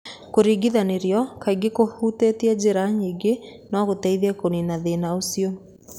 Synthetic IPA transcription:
koɾiɡiðaneɾjɔkaiɡekohutetiɛd͡ʑeɾaɲiːɡenɔɣotɛiðɛkoninaðenaosio

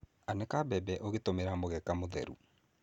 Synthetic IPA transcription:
anɛkabɛbɛʔoɣetomeɾamoɣɛkamoðɛ̰ɾṵ

